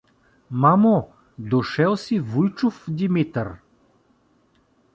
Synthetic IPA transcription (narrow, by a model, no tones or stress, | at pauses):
mamo | d̪oʃɛlˠsivujt͡ʃʊfd̪imit̪əɾ